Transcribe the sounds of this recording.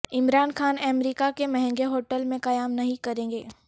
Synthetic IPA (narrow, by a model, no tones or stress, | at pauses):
ɪmɾaːnxaːnɛːmɾiːkakemɐɦɛ̃ŋɡeɦoːʈəlmẽqɐjaːmnɐɦĩkɐɾẽːŋɡḛː